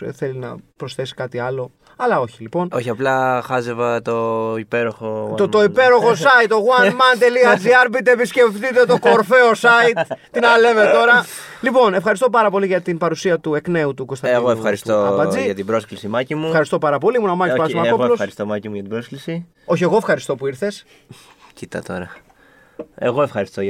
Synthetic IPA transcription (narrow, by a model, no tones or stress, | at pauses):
θe̞linɐ̰pɾo̞sθe̞si̥kɐt̪iɐlo̞ | ɐlɐo̞çilipo̞noçiɐplɐxɐzevɐt̪oipe̞ɾoxoot̪o̞ipe̞ɾo̞xosɐit̪oɣwɐnmɐnt̪eliɐd͡ziɐɾpit̪episce̞ft̪it̪e̞t̪o̞ko̞ɾfe̞osɐit̪t̪ːinɐle̞me̞t̪o̞ɾɐ | lipo̞nefxɐɾist̪o̞p̬ɐɾɐpo̞liʝɐt̪inpɐɾusiɐt̪uekne̞ut̪uko̞st̪ɐeɣoefxɐɾisoɐpɐd͡ziɐt̪ibɾo̞sklisimɐcimuefxɐɾist̪o̞pɐɾɐpo̞limunɐmɐespɐsmɐolosst̪omɐcimuʝɐt̪ibɾosklisi | o̞çie̞ɣoefxɐɾist̪o̞puiɾθe̞s | cit̪ɐ̰t̪o̞̰ɾɐ | eɣo̞e̞fxɐɾist̪o